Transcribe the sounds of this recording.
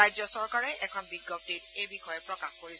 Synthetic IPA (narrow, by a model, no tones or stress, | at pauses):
ajzɔsɔɹkaɹɛʔɛkʰɔnbiɡːɔp̚titejbixʰɔjɛpɹɔkaxkoɹis